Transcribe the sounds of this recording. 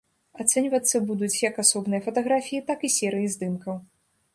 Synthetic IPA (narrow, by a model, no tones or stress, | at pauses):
at̪sɛnʲvɐt̪sːɐbud̪ut͡sʲjɐkasɔbnɨjɐfɐt̪ɐɣɾafʲijit̪akisʲɛɾɨjizd̪ɨmkɐw